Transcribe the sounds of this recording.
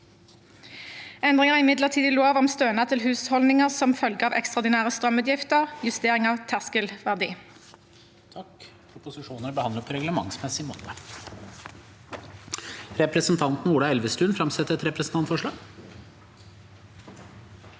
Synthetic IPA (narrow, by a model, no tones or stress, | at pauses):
ɛnd̪ʁɪŋəʁɪmɪd̪ləʁt̪ʰiːd̪əloːʋɔmst̪øːnɑt̪ʰɪlɦʉːshɔlnɪŋəʁsɔmfœlɡəɑːʋʔɛkst̪ʁɑːʁd̪ɪnæːʁəst̪ʁœmʉːt̪jɪft̪əʁjʉst̪eːʁɪŋɑːʋt̪ʰæʁskəlʋæʁd̪ḭː | t̪ʰɑk | ʊpʊsɪʂuːnənəbəhɑnd̪əpʰɔɾɛɡləmɑŋsmɛsɪmo̰ːt̪ə | ɾɛpɾəsnt̪ʰɑnt̪n̩uːɖɑɛlʋəst̪ʉːnfɾɑmsɛt̪ːəɾɛt̪ɾɛpɾəsn̩t̪ɑnt̪fɔʂɭɑːɡ